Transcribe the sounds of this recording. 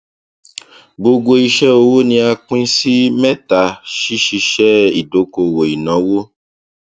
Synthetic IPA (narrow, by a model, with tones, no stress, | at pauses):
bo˧ɡo˧i˧ʃɛ˦o˧wo˦nĩ˧a˧k͡pĩ˦si˦mɛ̃˦ta˨ʃi˦ʃi˧ʃɛ˦i˨do˨˦ko˧˨wo˨i˨nã˨˦wo˦